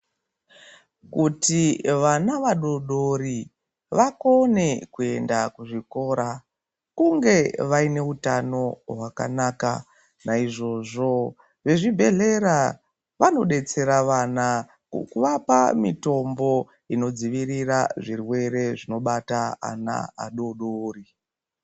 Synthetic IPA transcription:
kutiʋanaʋaɗoɗori | ʋako̞ne̞kue̞ndakuʐiko̞ːɾa | kuŋɡe̞ʋaine̞utano̞ɦwaka̰naːka̰ | naiʐo̞ʐo̞ | ʋe̞ʐibʱe̞ɮe̞ɾa | ʋano̞ɗe̞t͡se̞ɾaʋana | kuʋapa̰mito̞mbo̞ | ino̞d͡ziʋiɾiraʐirwe̞ɾe̞ʐino̞ɓataa̰na̰a̰ɗoɗoːri

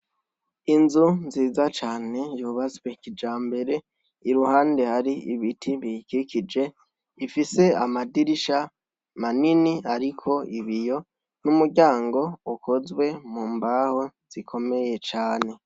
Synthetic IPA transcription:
inzunziːzat͡ʃaːne̞juːβazwe̞kid͡ʒaːmbe̞ɾe̞ | iɾuhaːnde̞haɾiiβitʰiβikikid͡ʒe̞ | ifise̞amadiɾiʃa | maniniaɾikʰo̞iβijo̞ | numuɟaːŋɡo̞ukʰo̞zwe̞muːmbaho̞z̥ikʰo̞me̞je̞t͡ʃaːne̞

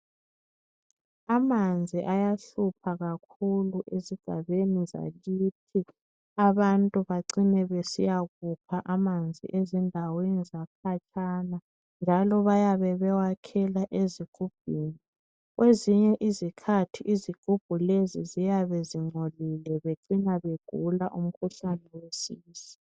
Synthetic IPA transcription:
amand͡zʱiʔajaɬupʰaɣak̚ʰuluʔeziɡ̥ʱa̰βeniza̰ɣitʰi | aβantʼuβaǀinɛβesḭjaɣupʰaʔamand͡zʱḭʔezindʱawenizakʰat͡ʃʼana | nd͡ʒʱalɔβajaβɛβɛwakʰɛlaʔeziɡ̥ʱub̥ʱiːni | ɣwʔeziɲɛʔizikʰatʰiʔiziɡ̥ʱub̥ʱulezizijaβɛziŋ͡ǀʱolilɛβeǀinaβeɡ̥ʱulaʔum̩kʰuɬanɛwesiːsi̥

